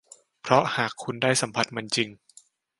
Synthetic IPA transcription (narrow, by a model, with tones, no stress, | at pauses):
pʰɾɔ˦˥haː˨˩kʰːu˧ndaː˥˩jsa˩˦mpʰa˨˧˩t̪̚ma˧nt͡ɕi˧ŋ